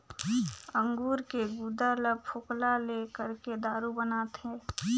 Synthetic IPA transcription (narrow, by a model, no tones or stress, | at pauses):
ə̃ŋɡuːɾkeɡud̪aləb̚pʰʊklalekəɾked̪aːɾubənaːt̪ɦɛ̃ː